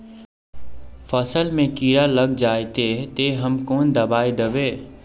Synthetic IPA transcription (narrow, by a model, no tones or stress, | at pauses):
fəsəlmẽkiːɾalɐɡd͡ʒaːjt̪et̪eɦɐmkoːnd̪ɐbaːid̪əʋeː